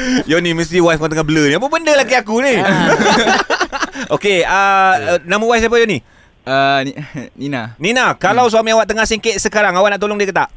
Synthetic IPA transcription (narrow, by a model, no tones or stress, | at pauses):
joniməst̪iwajfkɔnt̪əŋabələnĩap̬əbəndəlakiakuni | okeənaməwajs̬ap̬əjoni | ə | ninanĩnakalaws̬uamĩawaʔt̪əŋahsiŋkeʔ̪̚səkaɾaŋawaʔnaʔt̪oloŋdiəkət̪aʔ